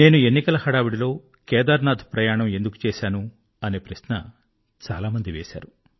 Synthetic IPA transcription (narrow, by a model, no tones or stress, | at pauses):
neːnue̞nːikɐlɐhɐɽaːʋiɽilo̞ː | kɛːd̪aːɾnaːd̪ʱpɾɐjaːɳɐme̞nd̪uku̥t͡ʃɛːʃaːnu | ɐne̞ːpɾɐʃnɐ̰ | t͡ʃa̰ːlaːmɐnd̪iʋeːʃa̰ːɾu